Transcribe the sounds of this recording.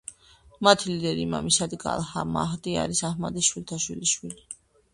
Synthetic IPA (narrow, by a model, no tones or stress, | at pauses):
mat̪ʰilid̪ɛɾimamisad̪ɡa̰lˠhamaɦd̪ia̰ɾisahmad̪isʃwilt̪ʰaʃwilisʃwili